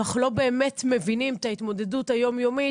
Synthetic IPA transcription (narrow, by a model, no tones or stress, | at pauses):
aχlo̞be̞ːmetmevinimt̪ait̪mo̞de̞duthajo̞mjo̞mi